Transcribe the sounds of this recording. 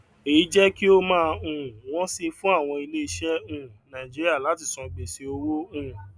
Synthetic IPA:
e˨i˨˦d͡ʒɛ˦ki˦o˧mãː˧˦˧ũ˨w̃ɔ̃˦si˧fũ˦a˦˨w̃ɔ̃˧i˧le˦i˦ʃɛ˦ũ˦˨nã˨d͡ʒi˦ɾi˦a˦˨la˨˦ti˦˨sɔ̃˧ɡ͡be˨se˧o˧ɾo˦ũ˦˨

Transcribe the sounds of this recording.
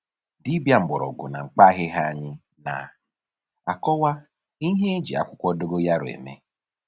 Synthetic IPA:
di˦bja˦m̩˨bɔ˨ɾɔ̰˨ɡʊ̰˨na̰˨ŋ͡m̩˨k͡pa˦ɦɪ˦ɦa˦˨ɲɪ˦ | na̰˨ | a˨kɔ˦wa˦ | i˦ɦe˦e˦d͡ʒḭ˨a̰˦kʷʊ˦kʷɔ˦do˦ɡo˦ja˦ɾʊ˨ḛ˨mḛ˦

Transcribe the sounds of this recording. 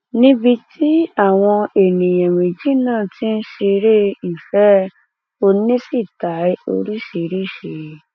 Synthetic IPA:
nĩ˦bi˧tʰi˦a˦˨w̃ɔ̃˧e˨nĩ˨jɛ̃˨wĩ˨d͡ʒi˦nãː˦˨ti˦n̩˦ʃe˧ɾe˦i˨fɛ˨˦ | o˧nĩ˦si˦˨ta˨˦o̰˧ɾi˦ʃe˧˦ɾe˦˨ʃe˨˦

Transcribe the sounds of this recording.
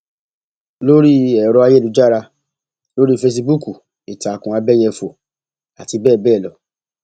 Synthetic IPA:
lo˦ɾi˦ɛ˨ɾɔ˧a˧je˦˨lu˨˦d͡ʒa˦˨ɾa˧ | lo˦ɾi˦fe˧s̬i˧bu˦ku˨ | i˨ta˨kũ˨a˧bɛ˦jɛ˧fo˨ | a˨ti˧bɛː˦˨bɛː˦˨lɔ˨

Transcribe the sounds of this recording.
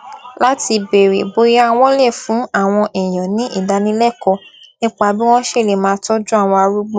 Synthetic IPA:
la˦ti˧be˨ɾe˨bo˨˧ja˦˧w̃ɔ̃˦lɛ˦˨fũ˨˦a˦˨w̃ɔ̃˧ʔɛ˨j̃ɔ̃˨nĩ˨˦ʔi˦˨da˧nĩ˨˦lɛ˦˨kɔ˧˦nĩ˦k͡pa˧bi˦w̃ɔ̃˦ʃe˦˨le˨mãː˨˧˦tɔ˦d͡ʒũ˦a˦˨w̃ɔ̃˧a˧ɾu˦ɡ͡bo˦

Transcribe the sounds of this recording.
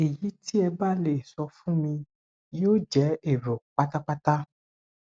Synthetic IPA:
e˨ji˨˦ti˦ɛ˧ba˦le˦˨sɔ˧fũ˦mĩ˧ | jo˦d͡ʒɛ˨˦e˦˨ɾo˨k͡pa˦ta˦k͡pa˦ta˦

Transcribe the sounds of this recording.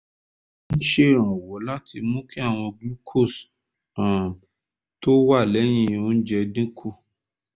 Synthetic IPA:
ñ̩˦ʃe˦˨ɾ̃ɔ̃˨wo˨˦la˦tʰi˧mũ˦ki˦a˦˨w̃ɔ̃˧ɡi˦kʰo˦˨s | ã˨ | to˦wa˦˨lɛ˨˦j̃ĩ˦˧˨o˦n̩˦d͡ʒɛ˧dĩ˦kʰu˦˨

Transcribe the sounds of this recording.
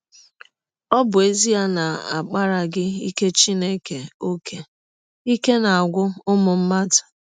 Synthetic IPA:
ɔ˦bʊ˨e˦zi˦a˦na˨a̰˨k͡pa˦ɾa˨ɡɪ˦i˦ke˦t͡ʃi˦ne˦ke˨o˦kʰe˨ | i˦ke˦na˨a˨ɡʷʊ˦ʊ˦mʊ˨m̩˦ma˦tḁ˨

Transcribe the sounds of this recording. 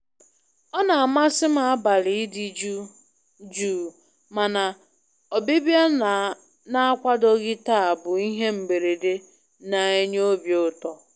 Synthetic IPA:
ɔ˦na˨a˨ma˦sɪ˦ma˨a˦ba˨li˨ɪ˦di˨d͡ʒu˦ | d͡ʒuː˦˨ | ma˨na˨ | ɔ˨bi˦bja˦˨ | na˦a˦kʷa˦dɔ˦ɣɪ˦ta˦a˨bʊ˨i˦ɦe˦m̩˨be˨ɾe˨de˦ | na˨e˦ɲo˦bjo˦tɔ˨

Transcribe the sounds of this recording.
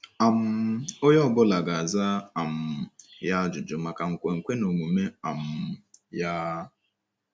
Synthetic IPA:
a˨m̩˦ʊ˦jɔ˦˨bʊ˦la˨ɡa˨a˨za˦a˨m̩˨ja˦d͡ʒʊ˨d͡ʒʊ˨ma˦˨ka˨ŋ̩˨kʷe˨ŋ̩˨kʷe˦no˨ŋʷu˨me˦a˨m̩˨ja˦

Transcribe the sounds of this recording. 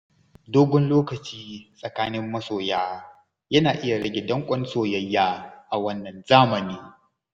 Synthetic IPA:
doː˦ɡʷɔ˦nloː˦kɐ˨t͡ʃiː˦sʼɐ˨kaː˦nɪ˦mːɐ˦soː˨jaː˦ | jɐ˦naː˨ʔɪ˦ja˨ɽɐ˦ɡʲe˨dɐ˦ŋkʷʼɔ˦nsoː˦jɐ˦jːaː˦ʔa˨wɐ˦nːɐ˨nzaː˦mɐ˨niː˦

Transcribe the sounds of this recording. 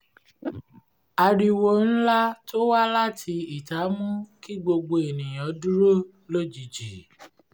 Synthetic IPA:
a˧ɾi˧wo˦n̩˦la˦to˦wa˦la˦˨tʰi˧i˨ta˨˦mũ˦ki˦ɡ͡bo˧ɡ͡bo˧e˨nĩ˨j̃ɔ̃˨˦du˦ɾo˦˨ | lo˦d͡ʒi˨d͡ʒi˨

